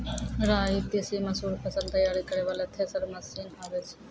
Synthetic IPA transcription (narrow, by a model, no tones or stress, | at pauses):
ɾaːit̪esimɐsuːɾpʰɐsəlt̪ɐjaːɾikɐɾeːʋaːleːt̪ʰeːsɐɾmɐsiːnaːʋet͡ʃʰ